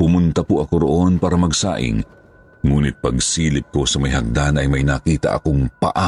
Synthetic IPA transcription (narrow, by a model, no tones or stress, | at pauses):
pʊmʊnt̪ɐpʊʔɐko̞ɾoʔo̞npaːɾɐmɐɡsa̰ːʔɪ̰ŋ | ŋuːnɪt̪̚pɐɡsiːlɪp̚ko̞sɐmɐjhɐk̚d̪anɐjmɐjnakiːt̪ɐ̰ʔɐ̰koŋpɐ̰ʔa